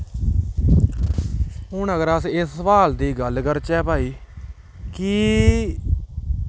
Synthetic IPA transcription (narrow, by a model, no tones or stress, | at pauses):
ɦʊɳəɡəɾəsɪsʋaːld̪iːɡəlkəɾt͡ʃɛːpaːiː | kiː